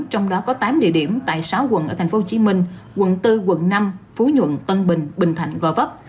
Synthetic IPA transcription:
t͡ɕɔ˧wŋ͡mɗɔ˨˦kɔ˨˦t̪aː˨˦mɗḭ˧˨əɗi˧˩əmt̪a̰ː˧˨jsaː˨˦wkwə̰˧˨nʔəː˧˩t̪ʰa˨˩jŋ̟fo˦ho˧t͡ɕi˨˦mï˧ŋ̟ | kwə̰˧˨nt̪ɨ˧kə̰˧˨nːa˧mfu˨˦ɲwə̰˧˨nt̪ə˧nɓï˨˩ŋ̟ɓï˨˩ŋ̟t̪ʰa˧˩jŋ̟ɣɔ˧˩və˦˥p̚

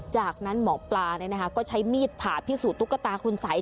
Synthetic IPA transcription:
t͡ɕaː˨˩k̚na˦˥nmɔː˩˦plaː˧nɯ˥˩na˦˥kʰa˦˥kɔː˥˩t͡ɕʰa˦˥jmiː˥˩t̪̚pʰaː˨˩p̪ʰiː˥˩suː˨˩t̪ːu˦˥kːa˧t̪aː˧kʰu˧nsaː˩˦j

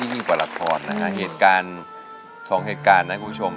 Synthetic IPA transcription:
iː˥˩miː˧˩kwaː˨˩la˧kʰɔː˧nːa˦˥kʰa˦˥ʔɦeː˨˩t̪̚kaː˧n | sɔː˩˦ŋɦeː˨˩t̪̚kaː˧nːa˦˥ku˨˩pʰu˥t͡ɕʰo˧m

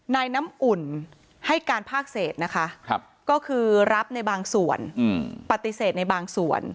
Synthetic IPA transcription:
naː˧jna˦˥mʔu˨˩n | ha˥˩jkaː˧npʰaː˥˩k̚seː˨˩t̪̚na˦˥kʰa˦˥ʔʰ | kɔː˥˩kʰɯː˧ɾa˦˥p̚na˧jbaː˧ŋsu˨˩ən˧˩pa˨˩t̪ːi˨˩seː˨˩t̪̚na˧jbaː˧ŋsu˨˩ən

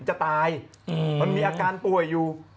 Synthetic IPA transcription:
nt͡ɕa˨˩t̪aː˧j | ma˧nmiː˧ʔaː˧kaː˧npu˨˩əjːuː˨˩

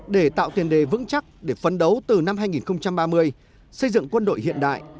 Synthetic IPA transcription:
ɗe˧˩t̪a̰ː˧˨wt̪i˨˩ənɗe˨˩vɨ̰˧˥ŋt͡ɕa˦˥k̚ɗe˧˩fə˨˦nɗə˨˦wt̪ɨ˨˩na˧mɦaː˧jŋi˨˩nxə˧wŋ͡mt͡ɕa˧mɓaː˧mɨ˧əj | sə˧jzɨ̰˧˨ŋkwə˧nɗo̰˧˨jhḭ˧˨ənɗa̰ː˧˨jʔ

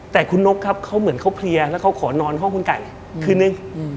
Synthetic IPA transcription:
t̪ɛː˨˩kʰu˧nːo˦˥k̚kʰːa˦˥p̚kʰa˦˥wmɯ˩˦ənkʰa˦˥wpʰli˧ɐlɛː˦˥wkʰa˦˥wkʰɔː˩˦nɔː˧nɦɔ˥˩ŋkʰu˧nka˨˩j | kʰɯː˧nɯ˦˧˥ŋ

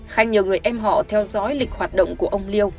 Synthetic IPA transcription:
xa˧jŋ̟ɲi˨˩əwŋɨ˨˩əjʔɛ˧mɦɔ̰˧˨t̪ʰɛ˧wzɔ˨˦jlï˨˩k̚hwaː˨˩t̚ɗə̰˧˨wŋ͡mku˧˩əʔə˧wŋ͡mli˧əw

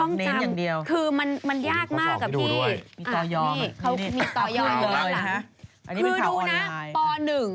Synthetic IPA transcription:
ɔ˥˩ŋne˦˥an˧jaː˨˩ŋdi˧əwkʰɯː˧ma˧nma˧njaː˥˩k̚mmaː˥˩kkːa˨˩pd̪ʰiː˧˥u˧˥˩jmiː˧a˧t̪ɔː˧jɔː˧iː˥˩kʰa˦˥wi˧miː˧t̪ɔː˧jɔː˧lɤː˧ja˧˥kʰa˦˥ʔʔa˧nːi˦˥kɯː˧duː˧na˦˥˩aː˧jpɔː˧nɯ˨˩ŋ

